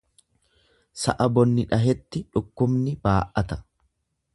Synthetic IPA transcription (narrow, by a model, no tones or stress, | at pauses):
sɐ̰ʔɐbɔnːɪᶑɐɦɛt̪ːɪᶑʊkːʊmnɪbaːʔɐt̪ɐ̥